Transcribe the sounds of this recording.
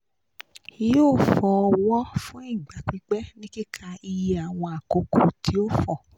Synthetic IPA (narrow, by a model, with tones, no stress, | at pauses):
i˦joː˦˨fɔ˨˧wɔ˦fũ˦i˦˨ɡ͡ba˨k͡pi˨˧ɡ͡bɛ˦nĩ˦ki˦kʰã˧i˧ji˨˦a˨w̃ɔ̃˧a˨ko˨˧ko˨tʰi˨˦o˦fɔ˦˨